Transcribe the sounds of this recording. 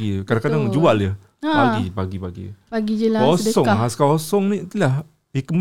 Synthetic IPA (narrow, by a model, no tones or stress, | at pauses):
ikadakadaŋd͡ʒualə | paɡipaɡipaɡḭpaɡid͡ʒəlaaɔsɔŋaskaɔsɔŋnit̪ulah | hikəm